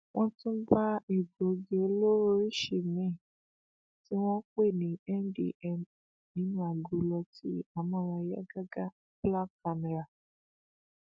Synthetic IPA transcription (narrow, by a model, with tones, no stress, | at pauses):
wʔɔ̃˦tʊ̃˦ba˦e˨ɡo˨˦ɡe˨˦lo˦ɾo˦i˦ʃe˨mẽ˦˨ | ti˦wɔ̃˦kʷe˦˨nĩ˨ɛ˦n̩˦dḭ˨ʔɛ˦m | ni˨˦n˦a˨ɡu˨lɔ˧ti˦a˨mã˦wa˧ja̰˦ɡa˦ɡa˦ | bla˦ka˨me˨ɾa˨